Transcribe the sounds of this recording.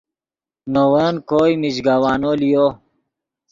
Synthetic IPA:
nowənkoːjmid͡ʑɡawaːnolijoː

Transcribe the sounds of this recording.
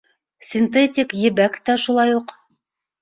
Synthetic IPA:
sʲɪnt̪etʲɪkjɘ̆bækt̪æʃulˠɑjuq

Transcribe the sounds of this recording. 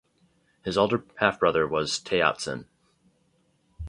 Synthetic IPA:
hɨzoʊlˠdə˞hæfb̥ɹʌðə˞wʌz̥tʰeɪɑ̰tsɨ̰̃n

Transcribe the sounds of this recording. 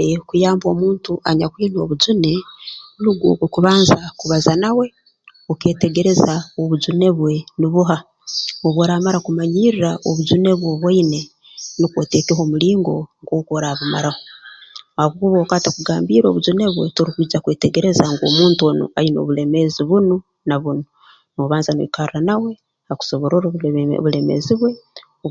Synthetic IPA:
ekujaːmbo̞ːmuːntuʔaɲakwiːno̞ːβuzune̞nuɡokokuβaːnzakuβazanawe̞ | oke̞ːte̞ɡe̞ɾe̞zaoβuzune̞βwe̞niβuɦa | oβwoːɾamaɾakumaɲiːɾiɾaoβuzune̞βwoβwaine̞ | nikwo̰te̞keɦo̞muliːŋɡo̞ŋɡokoɾaβuma̰ɾahoahaβukuβokaːtakuɡaːmbiɾo̞̰βuzune̞βwe̞̰toɾikwiid͡ʒakwe̞ːte̞ɡe̞ɾe̞zaŋɡo̰ːmuːntuono̰ajino̰βuleme̞ziβuno | naβuno | noβaːnzanoikaɾranawe̞ | haku̥so̞βo̞ɾoɾo̰βule̞mḛziβwe̞

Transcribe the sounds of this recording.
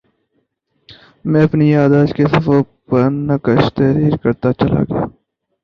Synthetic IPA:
mɛ̃ːɐpnijaːd̪aːd͡ʒkesɐfo | pəɾnɐkəʃt̪ɛːɾiːɾkɐɾt̪at͡ʃɐla̰ːɡɪja̰ː

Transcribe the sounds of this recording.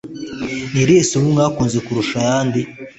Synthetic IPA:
niɾesumuŋɡaːkuːnzekuɾuʃajaːndi

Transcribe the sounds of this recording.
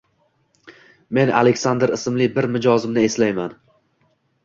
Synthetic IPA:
me̞na̰lekʲsand̪ɾɪsɪmlɪbɪɾmɪd͡ʒɒzɪmnɪe̞slajman

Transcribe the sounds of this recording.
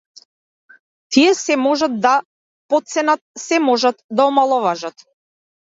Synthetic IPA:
t̪ʰijɛsɛmɔʒat̪̚d̪a | pɔt̪̚sɛnat̪̚sɛmɔʒat̪d̪aɔmalˠɔvaʒat̪

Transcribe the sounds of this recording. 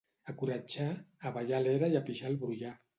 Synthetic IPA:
akuɾad͡ʒaːβaʎalɛɾajapiʒalˠβɾuja

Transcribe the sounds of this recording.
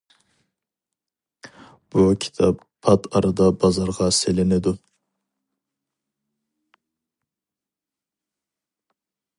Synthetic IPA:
b̥ukʲʰi̥t̪ʰɑpʰːɑt̪ʰɑɾɨd̪ɑbɑzɑɾʁɑselɪnɪd̪u

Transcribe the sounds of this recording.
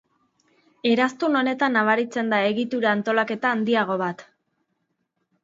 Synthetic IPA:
e̞ɾast̪uno̞ne̞t̪anːaβ̞aɾit͡se̞nd̪ae̞ɣit̪uɾaːnt̪o̞lake̞t̪aːnd̪iaɣ̞o̞β̞at̪

